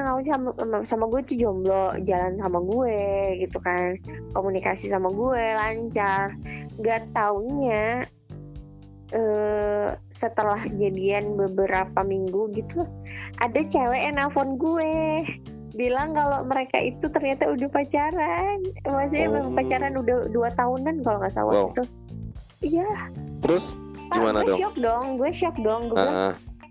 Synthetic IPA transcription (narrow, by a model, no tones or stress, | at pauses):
aŋauamsamaɡuɛt̪ud͡ʒɔmblɔd͡ʒalansamaɡuɛɡit̪ukankomunikasisamaɡuɛlaɲt͡ʃarŋɡat̪aunɲa | ʔə | sət̪əlahd͡ʒadianbəbəɾapamiŋɡuɡit̪uʔadat͡ʃawɛɛnafɔnɡuɛ | bilaŋkaloməɾeka̰ʔit̪ut̪ərɲat̪audapat͡ʃaɾanmaas̬uɲabaipat͡ʃaɾanudaduat̪aunankaloŋasa̰wa̰it̪u | ijat̪əɾʊspaimanadʃiɔk̚dɔŋɡuɛʃiɔk̚dɔŋɡṵ